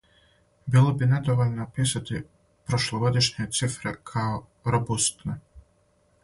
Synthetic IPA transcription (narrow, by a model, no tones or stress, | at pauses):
bilˠobinɛd̪oʋolʲnopisat̪i | pɾoʃlˠɔɡod̪iʃɲet̪sifɾɛkʰao | ɾobust̪nɛ